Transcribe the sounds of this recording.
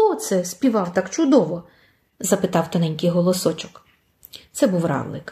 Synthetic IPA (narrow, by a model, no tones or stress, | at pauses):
ɔt̪sɛsʲpʲiʋɑwt̪ɑkt͡ʃʊd̪ɔʋɔ | zɐpɪt̪ɑwt̪ɐnɛnʲkɪjɦɔlˠɔsɔt͡ʃɔk | t̪sɛbuwɾɑ̰lˠɪ̰k